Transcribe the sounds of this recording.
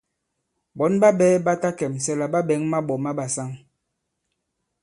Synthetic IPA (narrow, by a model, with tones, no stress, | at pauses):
bɔ˨˦nba˦ɓɛ˦ba˦ta˦kɛ˨msɛ˦la˨ba˦ɓɛ˨˦ŋma˦ɓɔ˨ma˦ba˨sa˦ŋ